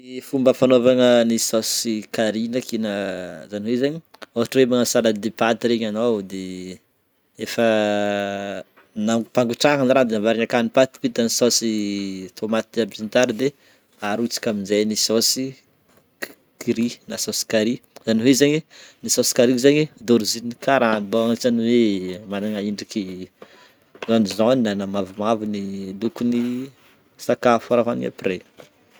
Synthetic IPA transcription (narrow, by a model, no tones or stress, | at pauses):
efumbəfanovaŋənisɔsikaɾinakinazaniɦwezaɲioɦaʈ͡ʂwemanasalad̪epat̪iɾeɲanawd̪e | efə | napaŋɡuʈ͡ʂaɦanrand̪enavaɾiɲakanipat̪i̥pit̪anisɔsit̪ʰomat̪abzint̪aɾid̪e | aɾut͡si̥kʲaminzejnisosi | kiɾinasosi̥kaɾizaniɦwezaɲinisosi̥kaɾizaɲid̪oɾizinikʰaɾaanibaaŋt͡ʃaniwemanaŋaiɳɖ͡ʐiki | zanizoninanamavumavinilukuni | sakafaɾaɦana̰pre